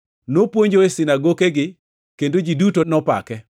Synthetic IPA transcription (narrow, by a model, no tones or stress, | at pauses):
nopwoɲd͡ʒoesɪnaɡokeɡɪ | kendod͡ʒidutonɔpa̰kɛ